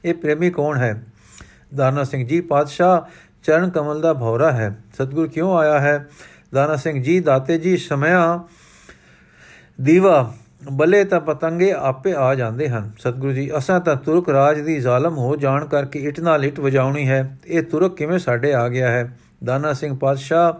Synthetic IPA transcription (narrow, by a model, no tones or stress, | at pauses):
eːpɾeːmiːkɔːɳɦɛː | d̪aːnaːsɪ̃ŋɡd͡ʒiːpaːd̪ʃaː | t͡ʃəɾəɳkəməld̪aːbʱɔːɾaːɦɛːsət̪̚ɡʊɾuːkjõːaːjaːɦɛː | d̪aːnaːsɪ̃ŋɡd͡ʒiːd̪aːt̪eːd͡ʒiːsəmjãː | d̪iːʋaː | bəleːt̪ãːpət̪əŋɡeːaːpeːaːd͡ʒãːnd̪eːɦənsət̪̚ɡʊɾuːd͡ʒiːʔəsãːt̪ãːt̪ʊɾəkɾaːd͡ʒd̪iːzaːləmɦoːd͡ʒaːɳkəɾkeɪʈnaːlɪʈʋəd͡ʒaːʊɳiːɦɛːeːt̪ʊɾəkːɪʋẽːsaːɖeːaːɡɪaːɦɛː | d̪aːnaːsɪ̃ŋɡ̚paːd̪ʃaː